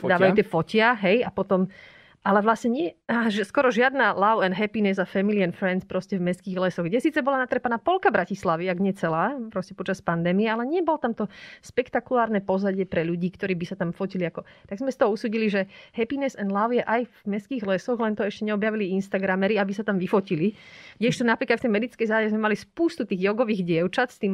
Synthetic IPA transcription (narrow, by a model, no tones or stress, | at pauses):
d̪aːʋajut̪ɛfɔcɪaɦɛjapɔt̪ɔm | ʔalɛʋlasɲɛɲɪɛʒɛskɔɾɔʒɪad̪nalaʊɛnɦɛpinɛzafɛmilianfɾɛnt͡spɾɔscɛvmɛskiːɣlɛsɔɣɡɟɛsiːt͡sɛbɔlanat̪ɾɛpanaːpɔlkabɾacislaʋiaɡɲɛt͡sɛlaːpɾɔscɛpɔt͡ʃaspand̪ɛːmiɛalɛɲɪɛbɔlɔt̪amt̪ɔʃpɛkt̪akulaːɾnɛpɔzaɟɪɛpɾɛʎuɟiːkt̪ɔɾiːbisat̪amfɔciliakɔt̪aɡzmɛst̪ɔɦɔusuːɟiliʒɛɦɛpinɛsɛnlaʊjɛʔajvmɛskiːɣlɛsɔɣlɛnt̪ɔɛʃcɛɲɛɔbjaʋiliinst̪aɡɾamɛɾiabisat̪amʋifɔcilidɛʃt̪ɔnapɾiːklat̪ft̪ɛjmɛd̪it͡skɛjzaːɟɛzmɛmalispuːst̪ut̪iːɣjɔɡɔʋiːɣɟɪɛʊt͡ʃat̪st̪iːm